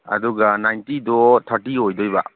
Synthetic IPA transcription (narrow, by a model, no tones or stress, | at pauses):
ɐ̰duɡanajntidɔtʰaɾtiojdɔjba̰